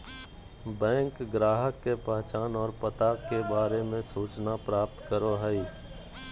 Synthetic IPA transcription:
bɛ̃ːŋkɡɾaːɦəkːepəɦt͡ʃaːnɔːɾpət̪aːkːebaːɾemẽsuːt͡ʃnapɾaːp̚t̪kəɾoɦəi

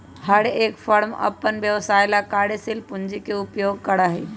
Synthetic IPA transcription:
həɽeːkfəɾmɐ̰pːənʋjəʋsaːɪlakaːɽesɪlpʊ̃ɲd͡ʒikeʊpjoːɡ̚kɐɽaɦḛː

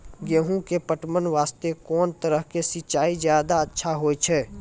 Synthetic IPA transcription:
ɡeːɦũkepəʈmənʋaːst̪ekɔːnt̪əɾəɦkesɪt͡ʃaːizjaːd̪aətːʃʰaɦoːet͡ʃʰɛː

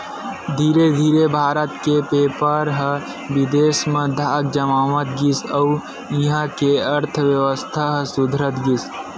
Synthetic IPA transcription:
d̪ʱiːɾed̪ʱiːɾebʱaːɾət̪kepeːpəɾɦə | ʋɪd̪eːsmẽd̪ʱaːɡ̚d͡ʒəmaːʋət̪ɡisəu | iɦãkeəɾt̪ʰəʋjəʋəst̪ʰaɦəsʊd̪ʱɾət̪ɡis

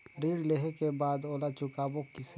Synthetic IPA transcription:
ɾiːɽleɦekebaːd̪oːlat͡ʃʊkaːbokis

